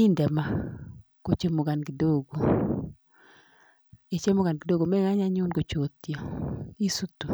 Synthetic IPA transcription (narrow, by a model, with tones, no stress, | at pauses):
i˦ndɛ˨ma˨ | ko˨t͡ʃe˦mo˨ɡa˨nɡi˨do˦ɡo˨ | e˨t͡ʃe˦mo˦ɡa˨nɡi˨do˦ɡo˨mɛ˦ŋa˦ɲa˦ɲu˦nko˨t͡ʃo˨t̪jɔ˨i˦su˦t̪u˨